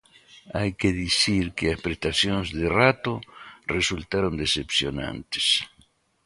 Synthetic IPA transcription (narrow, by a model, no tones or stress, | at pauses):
ajkeðisiɾkeaspɾest̪asjonzðerat̪oresult̪aɾond̪esepsjonã̰nt̪e̥s